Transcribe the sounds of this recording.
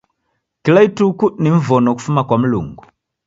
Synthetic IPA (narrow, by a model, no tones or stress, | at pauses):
kilaitukuniɱ̩vɔnɔku̥fumakwam̩lṵŋɡu